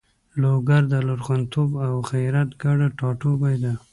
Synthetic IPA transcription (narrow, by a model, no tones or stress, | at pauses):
loɡaɾd̪əlʊɾxant̪obawxajɾat̪ɡaɽaʈɑʈobajd̪a